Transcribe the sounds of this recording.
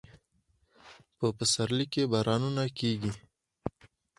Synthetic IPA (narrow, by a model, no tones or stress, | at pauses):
pəpəsaɾlikebɑːɾɑːnunakeːɡi